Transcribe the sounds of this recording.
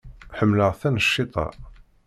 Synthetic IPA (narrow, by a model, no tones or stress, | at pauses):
ħəmːləʁθænəʃːɪt̪ˤɑ̰